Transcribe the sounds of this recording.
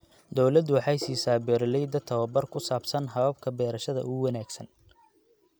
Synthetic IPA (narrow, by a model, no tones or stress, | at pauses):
d̪ɔwlɐd̪ʊwɑħɑjsiːsaːbɛːɾɪlɛjd̪ɐt̪ʰɐwɐbɐrkʰʊsaːbsɐnɦɐβɐb̚kʰɐbɛːɾɐʃɐðɐ̰ʊwɑnaːɡsɐn